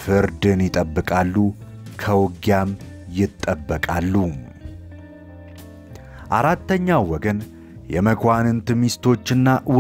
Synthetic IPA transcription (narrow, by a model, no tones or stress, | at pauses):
fɨɾd̪ɨnjɪt̪ʼəbːɨkʼalːu | kʰəwɡjamjɪt̪ʼːəbːəkʼalːu | ʔaɾat̪ːəɲːawːɔɡən | jɛməkʰʷanɨnt̪ʰɨmist̪ʰo̞t͡ʃːɨnːawɔ